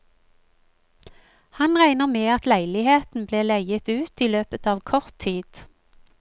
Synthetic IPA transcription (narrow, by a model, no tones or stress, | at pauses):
hɑnʁæɪnəʁmeːɑt̪læɪlɪheːt̪n̩bleːlæɪət̪ʉːt̪iːløːpət̪ɑːʋkʰɔʁt̪ʰiːd̪̥